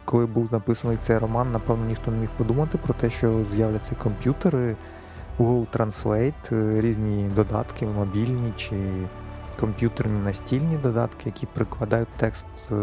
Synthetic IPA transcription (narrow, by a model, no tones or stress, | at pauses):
kɔlˠɪbuw̪ˠnɐpɪsɐnɔjt̪sɛjrɔmɑnːɐpɛwnɔnʲixt̪ɔnemʲixpɔd̪umɐt̪ɪpɾɔt̪ɛʃt͡ʃɔzjawlʲɐt͡sʲːɐkɔmpʲjut̪eɾɪ | uɦɔlˠt̪ɾɐnslˠɛjt̪ɾʲizʲnʲid̪ɔd̪ɑ̰t̪kɪmɔbʲilʲnʲit͡ʃɪ | kɔmpʲjut̪ernʲinɐsʲtʲilʲnʲid̪ɔd̪ɑ̰t̪kɪjɐkʲipɾɪklˠɐd̪ɑjʊt̚ʲt̪ːɛkst̪